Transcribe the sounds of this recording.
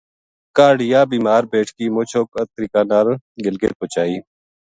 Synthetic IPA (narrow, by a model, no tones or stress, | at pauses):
kaːɽɪjaːbiːmaːɾbeːʈʰkiːmoːt͡ʃʰoːkət̪ɾiːkaːnaːɾ | ɡɪlɡḛːt̪̚poːt͡ʃaːiː